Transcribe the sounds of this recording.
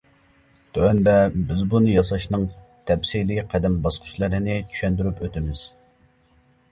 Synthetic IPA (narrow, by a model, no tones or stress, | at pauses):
t̪ʰøɛnd̪ɛbɪzbunɨjɑsɑʃnɨŋ | t̪ʰɛpsiliqʰæd̪ɪmbɑsqʰʊ̥ʃlˠɨɾɨnɪt͡ʃʰy̥ʃɛnd̪yɾypøt̪ɪmɪz̥